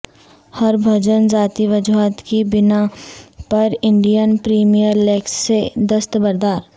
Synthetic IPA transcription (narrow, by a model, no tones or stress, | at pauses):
hɐɾbʱɐd͡ʒənzaːt̪iʋɐd͡ʒuaːt̪kibɪnapɐɾɪ̃ɳɖijənpɾiːmijəɾlɛːksːed̪ɐst̪bɐɾd̪aːɾ